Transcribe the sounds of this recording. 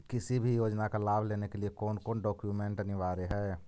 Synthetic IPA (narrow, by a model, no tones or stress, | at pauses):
kɪsibʱijoːd͡ʒnakalaːbʱleːnekeliekɔːnkɔːnɖɔːkjumẽɳʈniʋaːɾeɦɛː